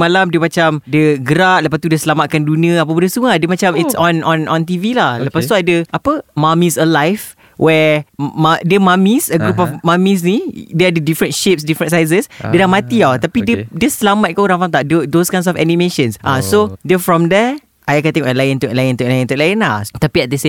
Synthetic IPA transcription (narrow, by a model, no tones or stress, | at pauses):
malamdəmat͡ʃamdəɡəɾat̚ləpast̪udəsəlamat̪̚kandunĩə̃apabundəsuŋadəmat͡ʃamitsɔ̃nɔ̃nɔ̃nt̪̬ivilahləpast̪uadəʔapəmãmisəlajf | wʔɛmadəmãmisəɡɾup̬ɔfmãmis̬nidɛadədifɾə̃nʃep̚sdifɾə̃nsajz̬əsdədahmat̪iat̪apidədəsəlamat̪̚kauɾãŋfãnt̪aʔdədoskãjnsɔfɛ̰nĩmeʃə̃nsʔasodəfɹɔmdɛ | ʔajəkant̪ẽŋɔʔəlajɪ̃nt̪uʔlajɪ̃nt̪uʔlajɪ̃nt̪ulaɪnlaht̪apiɛt̪̚dəsẽ